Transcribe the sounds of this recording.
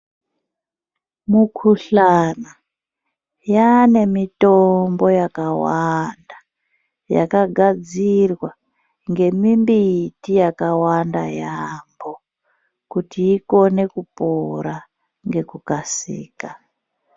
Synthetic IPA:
mukʰuɬana | jane̞mitombo̞jakawanda | ja̰kaɡʱad͡zirwa | ŋɡe̞mimbitijakawandajambo | kutʰiːko̞ne̞kupoɾa | ŋɡe̞kukasḭːka

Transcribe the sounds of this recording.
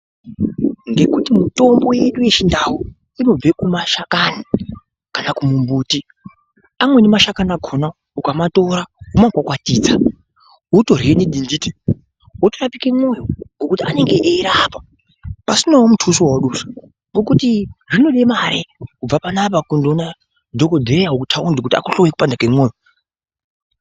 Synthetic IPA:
ŋɡe̞kutimuto̞mbo̞je̞ɗuje̞t͡ʃindaɦu | ino̞b͡ve̞kumaʃakani | kanakumumbuːti | amwe̞nemaʃakanaɡʱona | ukamato̞ɾaɦumakwakwatiːd͡za | ɦuto̞rieniɗindiːte | ɦotorapikemwo̞joŋɡokutiane̞ŋɡeʔeiɾaːpḁ | pasinawomutʰusiwawoɗusḁ | ŋɡokutiʐino̞ɗemaɾekub͡vapanap̬akundona | dʱokodʱejaukutʰaundikutia̰kuɬowekupandakemwoːjo

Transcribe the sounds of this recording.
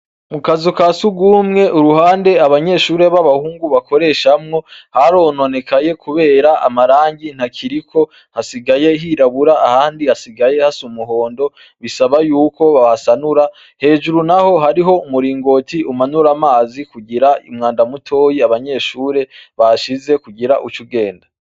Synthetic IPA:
mukazikasuɡwuːmŋe̞ʔuɾuhaːnde̞aβaɲe̞ʃuːɾe̞βaβahuːŋɡuβako̞ɾe̞ʃamŋo̞haɾo̞ːno̞ne̞kʰaje̞kʰuβe̞ːɾaʔa̰maɾaːɲɟin̥hakʰiɾikʰo̞ | hasiɡaje̞ɦiɾaβuɾaahaːndihasiɡaje̞hasumuɦo̞ːndo̞ | βisaβajuːko̞βahasanuɾa | he̞ːʒuɾunaho̞ɦaɾiɦo̞umuɾiːŋɡo̞tiʔumanuɾamaːzikuɟiɾaḭmŋaːndamutʰo̞ːjiaβaɲe̞ʃuːɾe̞βaʃize̞kuɡiɾaʔut͡ʃuɡe̞ːnda

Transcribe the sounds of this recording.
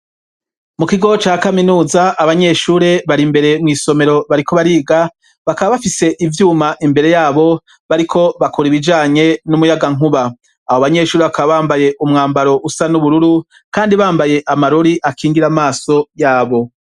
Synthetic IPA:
mukiɡo̞t͡ʃaːkaminuːzaaβaɲe̞ːʃuːɾe̞βaɾimbe̞ɾe̞mŋiːso̞me̞ɾo̞βaɾiko̞βaɾiːɡa | βakaβaβafise̞ʔivjuːmaʔimbe̞ɾe̞jaːβo̞ | βaɾikʰo̞βakuɾiβid͡ʒaːɲe̞numujaɡaŋuβaː | hoβaɲe̞ːʃuːɾeβakaβaβaːmbaje̞ʔumŋaːmbaɾo̞ʔusanuβuɾuɾu | kaːndiβaːmbaje̞ʔamaɾoɾiʔakʰiːŋɡiɾamaːso̞jaːβo̞

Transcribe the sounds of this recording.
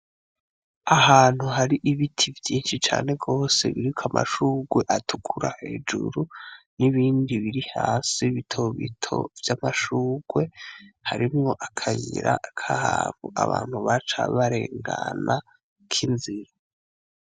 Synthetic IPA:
ahaːn̥huɦaɾiʔiβitʰivjiːnʃit͡ʃa̰ːne̞ɡo̞ːse̞̰βiɾikʰʷamʔa̰ʃuːɡwe̞ʔatʰu̥kʰuɾahe̞̰d͡ʒṵɾuniβiːndiβiɾihaːsiβitʰoβḭtʰo̞̰vjamaʃuːɡ̥we̞haɾimŋo̞ʔakʰajiɾakʰahaβuaβa̰ːn̥huβat͡ʃa̰βaɾe̞ːŋɡana | kʰinziɾa

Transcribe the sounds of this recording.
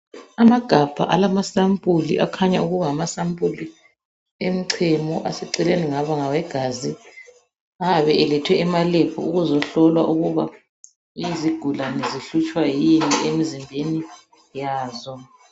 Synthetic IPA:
amaɡ̥ʱab̥ʱa̰ʔalamasampʼulḭʔakʰaɲauɣuβaːmasampʼuli | em̩ǀʰɛmɔʔasɛǀɛleniŋaβaŋawɛɡ̥ʱazi | aaβɛʔɛlɛtʰwɛɛmalɛpʰɔ̰uɣuzɔɬɔlwaʔuɣuβa | iziɡ̥ʱulaniziɬut͡ʃʼwajiniemizimbʱeni | jaːzɔ

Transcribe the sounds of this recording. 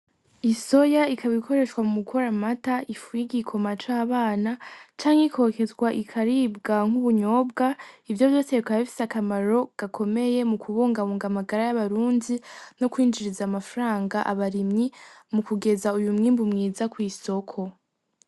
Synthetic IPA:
iso̞jaikʰaβikʰo̞ɾe̞ʃwamumukʰoɾamataʔifujiɡikʰo̞mat͡ʃaːβaːnat͡ʃaːŋhekʰo̞ːke̞zɡwaʔikʰaɾiːb̚ɡaŋ̥uβuɲo̞ːb̚ɡaivjo̞vjo̞ːseikaafi̥sakamaɾo̞ɡ̥akʰo̞me̞je̞mukʰuβoːŋɡaβoːŋɡamaɡaɾajaβaɾuːndino̞kwiːnd͡ʒiɾizaːmafɾaːŋɡaʔaβaɾimɲimukuɡe̞zaujumŋiːmbumŋiːzakwiːso̞kʰo̞

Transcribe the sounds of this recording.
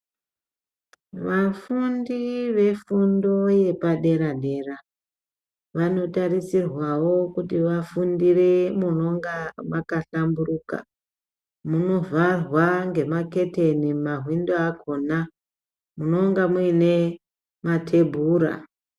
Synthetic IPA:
ʋafundiʋe̞fundo̞je̞paɗe̞ɾaɗe̞ra | ʋano̞tarisirwawo̞kutiʋafundiremuno̞ŋɡamakaɬamburuka̰ | muno̞varwaŋɡe̞make̞te̞nimaɦwindoakʰo̞na | muno̞ŋɡamuine̞ | matʰe̞bʱuːɾa̰

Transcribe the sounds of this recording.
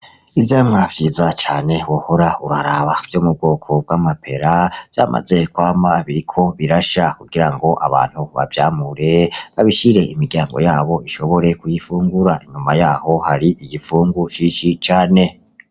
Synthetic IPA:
ivjaːmŋavjiːzat͡ʃaːne̞wohoɾauɾaɾaβav̥joːmub̚ɡo̞ːkʰo̞b̚ɡwamapʰe̞ɾav̥ja̰ːmʔa̰ze̞kwaːmbaβiɾikʰo̞βiɾaʃakuɡiɾaŋɡo̞ʔaβa̰ːn̥huβa̰vjaːmuɾe̞βaβiʃiɾe̞ʔimiɡjaːŋɡo̞̰jaːβo̞iʃo̞βo̞ɾe̞kujifuːŋɡuɾaiɲumajaːho̞haɾiʔiɡifuːŋɡuʃiːʃit͡ʃaːne̞

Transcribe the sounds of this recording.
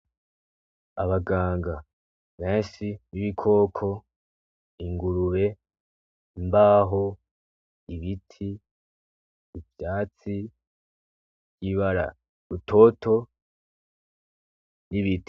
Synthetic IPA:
aβaɡaːŋɡa | βe̞ːnʃiniβikʰo̞ːkʰo̞ | iŋɡuɾuβe̞ | mbaɦo̞ | iβitʰi | vjaːt͡si | bɟ̥iβaɾa̰ | ɾuto̞to̞ | niβiti̥

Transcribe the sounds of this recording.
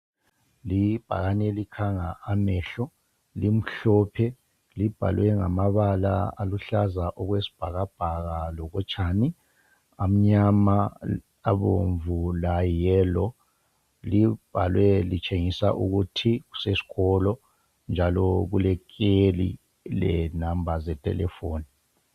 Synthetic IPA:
lib̥ʱa̰ɣanɛlikʰaŋaamɛːɬɔ | lim̩ɬɔpʰɛ | lib̥ʱa̰lwɛŋa̰maβalaa̰luɬazaʔɔɣwesi̥b̥ʱaɣab̥ʱaɣalɔɣɔt͡ʃʰʼaːni | am̩ɲama | aβoɱvulajɛːlɔ | lib̥ʱalwɛlit͡ʃʼeŋisaʔuɣutʰiɣu̥sesi̥ɣɔlɔ | nd͡ʒʱalɔɣulɛkʼelḭ | lɛ̰nambʱazɛtʼɛ̰lɛ̰foːni

